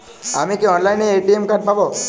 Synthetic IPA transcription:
a̰mikeɔnlajneeʈiemkaʈ̚pabo

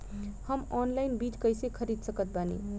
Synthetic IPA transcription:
həmɔnlajnbit͡ʃkəjsekʰəɾid̪ʱsəkət̪̚banḭ

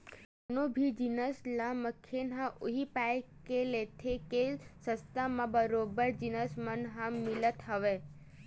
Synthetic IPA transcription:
nobʱid͡ʒinəslaməkʰːenɦãʔoɦipajkelet̪ʰekesə̃st̪amãbəɾobəɾd͡ʒinəsmənɦãmɪlət̪ɦəʋe

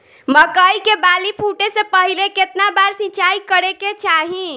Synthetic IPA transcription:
məkəikebalipʰuʈesẽpəɦileket̪nabaɾsĩt͡ʃaikəɾeket͡ʃaɦĩ

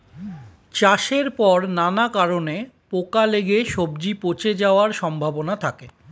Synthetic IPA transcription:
t͡ɕaʃeɾpɔɾnanakaɾonepokaleɡeʃobd͡ʑipot͡ɕed͡ʑaoaɾʃɔmbʱabonat̪ʰake

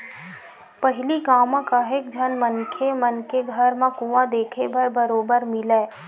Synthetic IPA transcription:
pəɦɪlikaːmãkaɦeːk̚d͡ʒʱənmənkʰemənkeɡʱəɾmãkuʋãd̪eːkʰebɐɾbəɾoːbəɾmɪleː

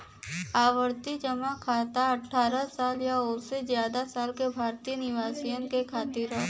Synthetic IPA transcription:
aːʋəɾt̪id͡ʒəmakʰaːt̪aɐʈʰːaːɾasaːljaoːɾsezjaːd̪asaːlkebʱaːɾt̪inɪʋaːsijənkekʰaːt̪iɾə

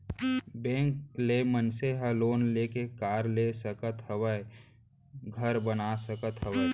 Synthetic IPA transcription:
bẽːŋkleːmənseɦəloːnleːkekaːɾlesəkət̪ɦəwəe | ɡʱəɾbənasəkət̪ɦəʋə

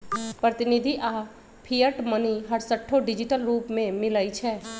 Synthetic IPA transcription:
pɾət̪ɪnɪd̪ʱiʔaː | pʰijəʈməniɦɐɾsəʈʰːoɖɪd͡ʒɪʈəlɾuːpmẽmɪlait͡ʃʰɛː

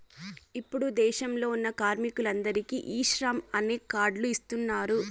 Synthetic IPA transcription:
ipːuɽud̪ɛːʃɐmlo̞ːunːɐkaːɾmikulɐnd̪ɐɾikiʔiːʃɾaːmɐneːkaːɾɖluist̪unːaːɾu

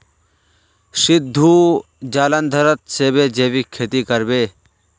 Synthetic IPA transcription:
sɪd̪ʱːuː | d͡ʒaːlənd̪ʱəɾət̪seːbeːd͡ʒeːʋiːkʰːeːt̪iːkəɾbeː

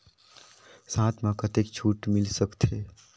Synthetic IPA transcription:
sãt̪ʰmãkət̪ekt͡ʃʰuʈmɪlsəkt̪ʰɦe

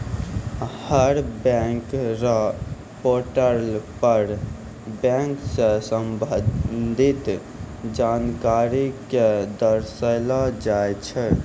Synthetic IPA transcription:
həɾbɛ̃ŋkɾə | poɾʈəlpəɾ | bɛ̃ŋksə̃səmbənd̪ʱit̪ | d͡ʒankaɾiked̪əɾsəlɔd͡ʒajt͡ʃʰɛ

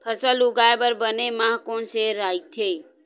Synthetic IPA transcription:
pʰəsəluɡaebəɾbənemãɦkonseɾait̪ʰe

